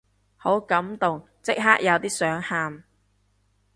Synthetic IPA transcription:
ho˨˥wkɐ˨˥mt̪ʊ˨ŋ | t͡sɪ˥k̚ɦaː˥k̚jɐ˨˧wt̪iː˥sœː˨˥ŋhaː˧m

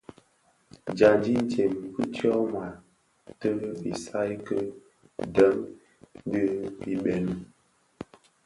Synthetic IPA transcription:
d͡ʒa˨nd͡ʒi˦n˦t͡ʃe˨mkə˦tjɔ˦ma˨ | tə˦vi˨sa˦jkə˦ | də˦ŋ˦ | də˦pi˨ɓɛ˨n˨

